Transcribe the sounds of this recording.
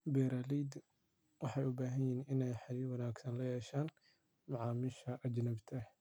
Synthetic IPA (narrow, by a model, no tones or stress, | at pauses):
bɛːɾaːlid̪ | wɑħɑjʊbaːɦɐnjiːnɪnɛjħɑliːwɑnaːɡsɐnlɐjɛːʃaːn | mʊʕɑːmɪʃɐʔɐd͡ʒnɐbt̪ʰɐ